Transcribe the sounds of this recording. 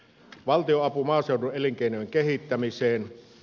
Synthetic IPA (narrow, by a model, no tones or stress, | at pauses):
ʋɑlt̪ioɑpumɑːseˑuduʔeliŋkeˑinojeŋkehit̪ːæmiseːn